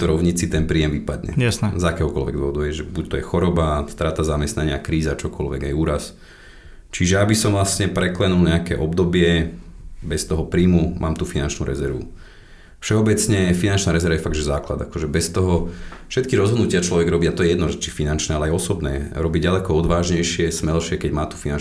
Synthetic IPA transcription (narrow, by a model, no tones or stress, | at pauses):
t̪ɔɾɔʊɲit͡sit̪ɛnpɾiːjɛmʋipad̪ɲɛ̰jasnɛzakɛːɦɔkɔlʋɛɡd̪ʋɔɦɔd̪uɛʒɛbuc̚t̪ɔjɛxɔɾɔbast̪ɾaːt̪azamɛst̪naɲɪakɾiːzat͡ʃɔkɔ̰lʋɛ̰ɡajuːɾas | t͡ʃiʒɛabisɔmʋlasɲɛpɾɛklɛnulɲɛakɛ̰ːʔɔbd̪ɔbɪɛ | bɛst̪ɔɦɔpɾiːmumʔa̰ːmt̪uːfinant͡ʃnṵɾʔɛ̰zɛɾʋṵ | fʃɛɔbɛt͡sɲɛfinant͡ʃnaːɾɛzɛɾʋajɛfaɡ̪̚ʒɛzaːkla̰d̪akɔʒɛbɛst̪ɔɦɔfʃɛt̪kiɾɔzɦɔd̪nucɪat͡ʃlɔʋɛɡɾɔbiːat̪ɔjɛjɛd̪nɔzɛt͡ʃifinant͡ʃnɛːalɛajɔsɔbnɛ̰ːɾɔbiɟɟalɛkɔɔd̪ʋaːʒɲɛjʃɪɛsmɛlʃɪɛkɛɟmaːt̪u̥finan